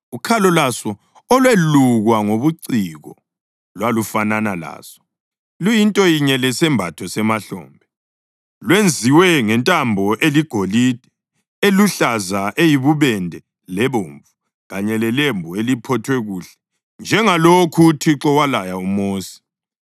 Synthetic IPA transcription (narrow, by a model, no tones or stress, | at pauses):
ukʰalɔlasɔ | ɔlweluɣwaŋoβuǀiɣɔ̰ | lwalufananala̰ːsɔ̥ | lujintʼɔjiɲɛlɛsɛmbʱatʰɔsɛmaɬɔ̰ːmbʱɛ | lwend͡zʱiwɛŋɛntʼambʱɔʔeliɡ̥ʱolid̥ʱɛ | eluɬazaʔejiβuβɛndʱɛ | lɛβoːɱvu | ɣaɲɛlɛlembʱuelipʰɔtʰwɛɣuːɬɛ̥ | nd͡ʒʱɛŋalokʰutʰiǁɔwalajaumoːsi̥